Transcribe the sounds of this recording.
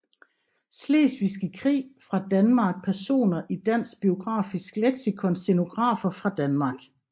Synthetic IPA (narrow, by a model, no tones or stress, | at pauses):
sle̝̰ːsʋisɡ̥ikʰʁḭːfʁɑ̈d̥ænmɑ̈ɡ̥̚pʰæɐso̝̰ːnɐʔid̥æn̰sɡ̥̚b̥io̝ɡ̥ʁɑ̰̈ːfisɡ̥leɡ̥sikʰɔ̽nseno̝ɡ̥ʁɑ̰̈ːfɐfʁɑ̈d̥ænmɑ̈ɡ̥